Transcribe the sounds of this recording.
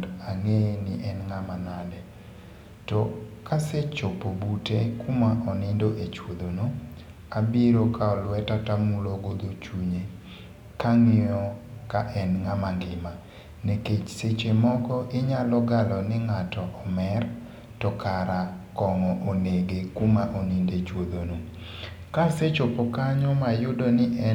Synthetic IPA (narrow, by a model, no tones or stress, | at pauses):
daŋeniʔɛnŋamanadɛ | tɔkaset͡ʃopobutekumaʔɔnɪndoʔet͡ʃwod̪ono | abiɾokaɔlwɛtatamuloɡod̪ot͡ʃuɲe | kaŋɪɔkaʔɛnŋamanɡɪma | neket͡ʃset͡ʃemɔkɔʔɪɲalɔɡalɔnɪŋatɔʔɔmɛr | tɔkʰaɾakɔŋɔʔoneɡekumaʔonindet͡ʃwod̪ono | kaset͡ʃopokaɲɔmajʊdonɪʔɛ